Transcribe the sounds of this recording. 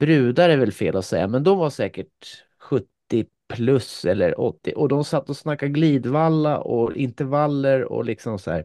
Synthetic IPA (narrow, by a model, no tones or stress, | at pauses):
b̥ɾʉ̟ːd̪aɾəvɛlfḛːlasɛjːa̰mɛnd̪ɔmvaʂɛːkəʈ̚ | ɧɵt̪ːɪ | pʰlɵsɛlːə̰ɾɔ̰t̪ːɪʔɔd̪ɔmsat̪ːɔsnakːaɡliːd̪valːa̰ʔɔɪnt̪ɛɾvalːəɾɔ̰lɪksɔmsɔæ̰ːɾ